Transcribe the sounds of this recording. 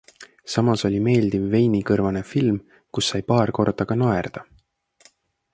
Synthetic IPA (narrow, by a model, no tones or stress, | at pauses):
sɑmɑso̞lʲime̞ːld̪̥ivːe̞jnikɤrvɑne̞film | kusːɑjpɑːrko̞rd̪ɑɡ̥ɑnoe̞rd̪̥ɑ